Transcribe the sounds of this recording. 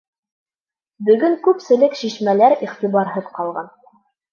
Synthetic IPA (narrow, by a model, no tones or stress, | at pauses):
bɵ̆ɡɵŋkʉpsɘ̆lɘkʃiʃmælæɾiχt̪ibɑɾɦɤðqɑlˠʁɑn